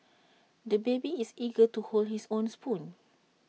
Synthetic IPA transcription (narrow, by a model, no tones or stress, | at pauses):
dəbebiisiɡətuholdhisõnspʰũn